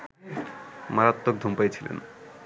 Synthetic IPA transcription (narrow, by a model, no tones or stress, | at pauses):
maɾat̪ːok̚d̪ʱumpajet͡ɕʰilḛn